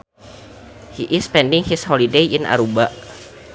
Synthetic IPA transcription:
hiʔɪspɛndiŋhishɔlidejina̰ɾubaʔ

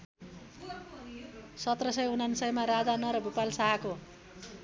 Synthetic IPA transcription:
sʌt̪rʌsʌjunansʌjmaɾad͡zanʌɾʌbʱupalsaɦako

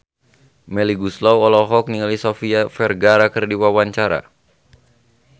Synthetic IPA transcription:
mɛliɡuslawɔlɔɦɔk̚niŋalisɔfiafɛrɡaɾakərdiwawaɲt͡ʃaɾa̰

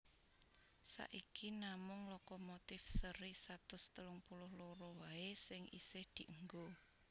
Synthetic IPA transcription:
sa̰ʔikinamʊŋlɔkɔmot̪ɪfsəɾisat̪ʊst̪əlʊŋpulʊhloɾowaesɪŋḭsɪhd̪̥i̤ʔəŋɡo

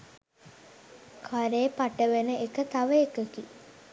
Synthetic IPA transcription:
kʰaɾeːpaʈəʋenəʔekət̪aʋəekəki

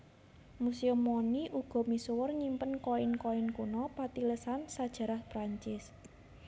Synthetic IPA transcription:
museʊmɔniʔuɡ̥ɔ̤misuwɔrɲimpənkɔɪnkoɪnkunɔpat̪iləsansad̥ʒ̥ä̤ɾahpɾaɲt͡ʃɪs

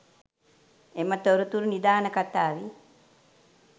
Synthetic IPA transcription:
emət̪oɾut̪uɾunid̪aːnəkat̪aːʋi

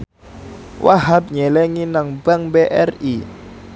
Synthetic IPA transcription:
wʔa̰ɦap̚ɲɛlɛŋinaŋbaŋbeʔɛri

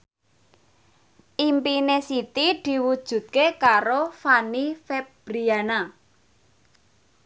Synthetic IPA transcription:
ʔimpinesit̪id̪̥i̤wud̥ʒ̥ṳt̪̚kekaɾofanifeb̥ɾiana

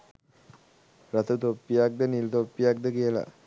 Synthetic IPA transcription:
ɾat̪ət̪opːijak̚d̪ənilt̪opːijak̚d̪əkijəla̰

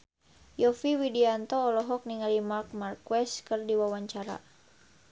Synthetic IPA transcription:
jɔfiwidiant̪ɔːlɔɦɔk̚niŋalimark̚markwɛskɨrdiwawaɲt͡ʃaɾa̰

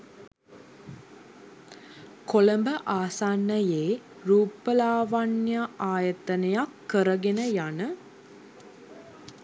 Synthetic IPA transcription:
kolɐmbəʔaːsaːnːɐjeː | ɾuːpːəlaːʋanjaʔaːjɐt̪ɐnɐjakːəɾɐɡenəjanə

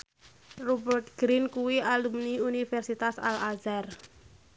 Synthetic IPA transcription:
rubɛrt̪̚ɡ̥ɾinkuwiʔalumniunifɛrsit̪asa̰lazar

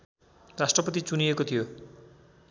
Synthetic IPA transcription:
ɾasʈɾɔpɔt̪it͡ʃuniekot̪ʰijo

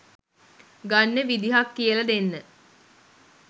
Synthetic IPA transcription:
ɡanːeʋid̪iɦakːijəlɐd̪enːə

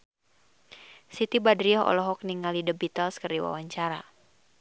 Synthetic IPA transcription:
sit̪ibadɾiɔɦɔ̰lɔɦɔk̚niŋalidəbit̪alskərdiwa̰waɲt͡ʃaɾa̰

